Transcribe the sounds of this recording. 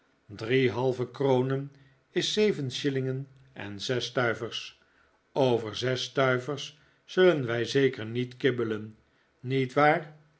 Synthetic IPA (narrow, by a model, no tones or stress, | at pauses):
driɦɑlˠvəkrownən | ɪsːejvənʃɪlɪŋən | ɛ̰nzɛstœɥvəɹs | owvəɹzɛstœɥvəɹsː | ɵlənʋɛjzejkəɹnitkɪbələnː | itʋaːr